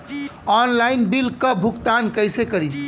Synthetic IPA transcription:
ɔnlajnbilkəbʱukt̪ankəjsekəɾit͡ʃʰ

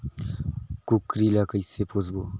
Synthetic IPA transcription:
kukɾilakəjsepʰozbo

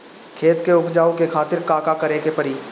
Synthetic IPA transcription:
kʰeːt̪keʊkʰd͡ʒaːokekʰaːt̪ɪɾkaːkakɐɾekepɐɾiː

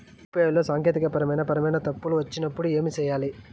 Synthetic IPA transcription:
peːjlːo̞ːsaːŋkeːt̪ikɐpɐɾɐmɐjnɐpɐɾɐmɐjnɐt̪ɐpːuluʋɐt͡ʃːinɐpːuɽue̞ːmit͡ʃɛːjaːli

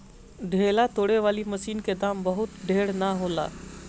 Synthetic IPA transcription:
ɖʱeːlat̪oːɽeʋaːlimɐʃiːnked̪aːmbɐɦʊt̪ɖʱeːɽnaɦoːla̰ː

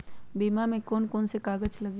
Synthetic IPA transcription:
biːmamẽkɔːnkɔːnsekaːɡət͡ʃlɐɡi

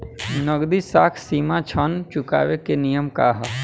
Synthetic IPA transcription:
nəɡd̪isaːkʰsiːmat͡ʃʰənt͡ʃʊka̰ːʋekenijəmkaːɦ

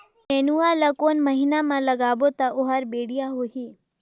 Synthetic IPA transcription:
mɛːnualakoːnmɐɦiːnamãlɐɡaːbot̪aʔʊɦaɾbeːɽijaɦoɦiː

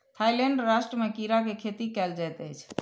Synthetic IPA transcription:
t̪ʰajlɛɳɖɾaʃʈɾəmekiɾakekʰet̪ikɛld͡ʒajt̪əjt͡ʃʰ

